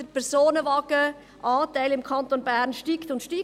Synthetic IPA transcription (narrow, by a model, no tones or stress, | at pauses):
əpʰɛɾsoːnəvɑɡə | ʔɑːtæɪlɪmkʰɑnt̪onbæːɾnʃtiːkt̪ʊntʃtiː